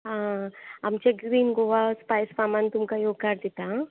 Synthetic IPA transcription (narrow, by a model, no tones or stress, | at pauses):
ɦãɐmt͡ʃeɡɾiːnɡoʋaspajspamant̪ʊmkajoːɡ̚kaɾd̪it̪a